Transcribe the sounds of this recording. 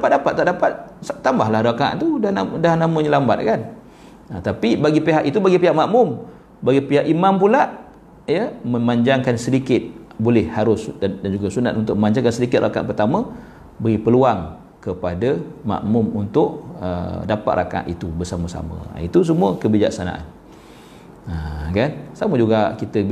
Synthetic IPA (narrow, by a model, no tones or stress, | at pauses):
dapat̪̚dapat̪̚t̪ːaʔdapat̪̚t̪ambahlahɾaka̰ʔt̪udnadaɦanamə̃ɲəlamba̰t̪̚kan | ət̪apibaɡipeɦaʔit̪ubaɡipiɦaʔmaʔmʊm | baɡipiɦaʔimampulaʔ | jəmə̃maɲd͡ʒaŋkansədikɪt̪̚bolɛhhaɾʊsdadand͡ʒuɡasuna̰t̪unt̪ʊk̚ʔməmãɲd͡ʒaŋkansədikɪt̪̚rʔa̰ka̰ʔpərt̪amə | bəɣipəluaŋ | kəpadəma̰ʔmʊmunt̪ʊʔ̚ə̰dapat̪̚ɾʔa̰ka̰ʔit̪ubərsaməsa̰mə̰̃it̪us̬əmũəkəbid͡ʒa̰k̚sana̰ʔa̰n | əkansaməd͡ʒuɡakit̪ə